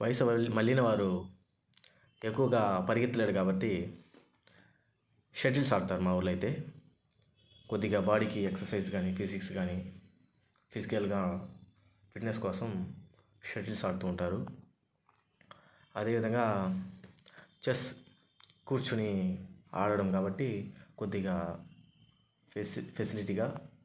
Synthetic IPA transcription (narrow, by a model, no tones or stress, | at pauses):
ʋɐjɐsɐɐmɐɭːinɐʋaːɾu | e̞kːuʋɐɡaːpɐɾiɡɐt̪ːuleːɽukaːbɐʈːi | ʃeʈ̬ilsaːɽut̪aːɾumaːʋuɾlɐjt̪e̞ː | ko̞d̪ːiɡaːbaːɽikieksɐɾsɐjd͡ʒɡaːnipʰisiksɡaːni | pʰisikɐlɡaː | pʰiʈneskɔːsɐm | ʃeʈilsaːɽut̪uːɳʈaːɾu | ɐd̪e̞ːʋid̪ʱɐŋɡaː | t͡ʃes | kuːɾt͡ʃunia̰ːɽɐɽɐmkaːbɐʈːiko̞d̪ːiɡaː | pʰesiliʈiːɡaː